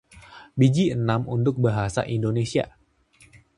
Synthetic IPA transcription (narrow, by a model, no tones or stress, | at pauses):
bid͡ʒiənamunt̪ʊk̚baɦasa̰ʔindonesia̰